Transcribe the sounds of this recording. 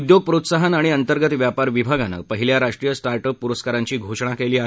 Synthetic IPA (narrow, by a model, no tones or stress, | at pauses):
ud̪joɡ̚pɾot̪saɦənaɽ̃iənt̪əɾɡət̪ʋjapaɾʋibʱaɡanə̰ːpəɦiljaɾaʂʈɾijəsʈaɾʈəpːuɾəskaɾaɲt͡ɕiːɡʱoʂɳakeliːa